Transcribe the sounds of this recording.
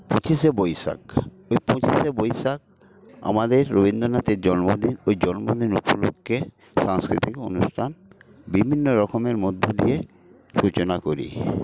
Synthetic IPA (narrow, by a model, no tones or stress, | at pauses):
põt͡ɕiʃebɔjʃa̰k | ojpõt͡ɕiʃebojʃak̚ | a̰mad̪eɾːobind̪oɾnat̪eɾd͡ʑɔnmod̪inojd͡ʑɔnmod̪inṵpolo̰kːe | ʃaŋskɾit̪iko̰nuʃʈʰan | bibʱinːoɾɔkʰomeɾmod̪ʱːod̪ije | ʃut͡ɕonakoɾḭ